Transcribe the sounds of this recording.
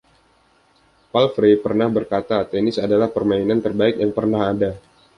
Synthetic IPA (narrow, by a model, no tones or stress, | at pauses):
palfɾepərnahbərkat̪at̪ɛnɪsadalahpərmainant̪ərbaɪk̚jaŋpərnaɦada